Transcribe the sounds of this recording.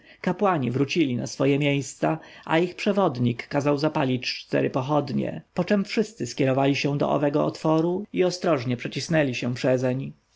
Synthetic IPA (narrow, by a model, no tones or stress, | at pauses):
kapwaɲivɾut͡ɕilʲina̰sfɔjɛmʲjejst̪saʔaixpʂɛvɔd̪ɲikːazawzapalʲit͡ɕt͡ʂt̪ɛ̰ɾɘpɔxɔd̪ɲɛ̰pɔt͡ʂɛmfʂɘst̪sɘskʲɛɾɔvalʲiɕɛ̃d̪ɔ̰ɔ̰vɛɡɔɔt̪fɔɾuiɔst̪ɾɔʐɲɛpʂɛt͡ɕisnɛlʲiɕɛpʂɛzɛɲ